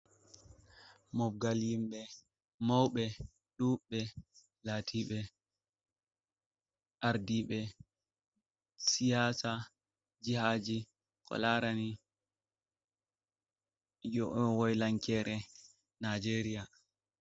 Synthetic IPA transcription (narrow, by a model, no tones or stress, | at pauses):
mɔb̚ɡaljimɓɛ | mawɓɛ | ɗuɓɛ | laːtʰiɓɛ | ʔaɾdiɓɛ | sijaːsa | d͡ʒihaːd͡ʒi | kʰɔ̰laɾani | jɔʔwɔjlaŋkɛːɾʔɛ | nad͡ʒeɾia